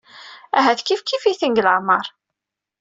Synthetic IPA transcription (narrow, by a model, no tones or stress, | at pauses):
æɦæθkifkifiθənɡləʕmɑɾˤ